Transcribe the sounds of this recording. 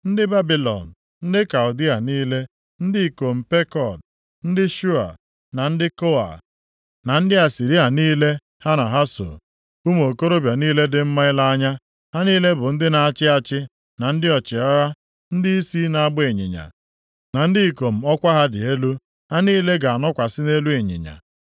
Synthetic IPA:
n̩˦dɪ˦ba˦bi˨lɔ̰˨n̩˨ | n̩˦dɪ˦ka˨ʊ˨di˦a˨niː˦le˦ | n̩˦dɪ˦i˨ko˨m̩˨pe˦kɔ˨d̚ | n̩˦dɪ˦ʃu˦a̰˨ | na˨n̩˦dɪ˦ko˦a̰˨ | na˨n̩˦dɪ˦a˨si˨ɾi˦a˨niː˦le˦ | ha˦na˨ɦa˦so̰˨ | u˦m˦o˨ko˦ɾo˦bja˨niː˦le˦dɪ˨m̩˦ma˦ɪ˦la˦a˦ɲa˦ | ha˦niː˦le˦bʊ˨n̩˦dɪ˦na˨a˦˨t͡ʃɪ˦a˨t͡ʃɪ˦ | na˨n̩˦dɪ˦ɔ˨t͡ʃɪ˨ɔ˦ɣa˦ | n̩˦dɪ˦i˦si˦na˨a˦ɡ͡bʊ˦e˨ɲɪ̰˨ɲa̰˨ | na˨n̩˦dɪ˦i˨ko˨m̩˨ɔ˦kʷa˦ɦa˦dɪ˨e˦lu˦ | ha˦niː˦le˦ɡa˨a˨nɔ˦kʷa˨sɪ˦ne˦lu˦e˨ɲɪ̰˨ɲa̰˨

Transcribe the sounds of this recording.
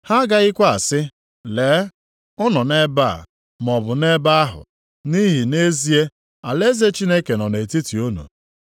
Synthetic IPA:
ha˦ɡa˦ɣɪ˦kʷa˦a˨sɪ˦ | leː˨˦ | ʊ˦nɔ˨ne˦ba˦˨a̰˨ | m˨ɔ˨bʊ˨ne˦ba˦a˦ɦʊ̰˨ | ni˦ɦi˨ne˦zi˦e˦ | a˨le˦ze˦t͡ʃi˦ne˦ke˨nɔ˨ne˨ti˦ti˨o˦no̰˨

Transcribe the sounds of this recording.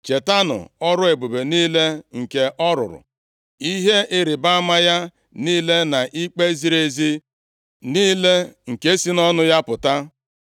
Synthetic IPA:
t͡ʃe˨ta˦nʊ̰˨ɔ˦ɾʊ˦e˨bu˨be˨niː˦le˦ŋ̩˨ke˨ʔɔ˦ɾʊ̰˨ɾʊ̰˨ | i˦ɦe˦ʔɪ˦ɾɪ˨ba˦a˦ma˦ja˦ | niː˦le˦na˨ʔi˦k͡pe˦zi˦ɾe˨zi˦ | niː˦le˦ŋ̩˨ke˦si˦nɔ˦nʊ˦ja˦pʊ˨ta˦

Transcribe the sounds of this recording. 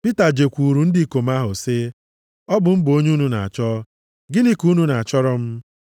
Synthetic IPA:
pi˦ta˨d͡ʒe˨kʷu˨ɾu˨n̩˦di˦i˨ko˨m̩˦a˦ɦʊ˨sɪ˦ | ɔ˦bʊ˨m̩˦bo˦ɲ˦u˦nu˦na̰˨a̰˨t͡ʃɔ˦ | ɡɪ˦ni˦ku˦nu˦na˨a˨t͡ʃɔ˦ɾɔ˦m̩˦

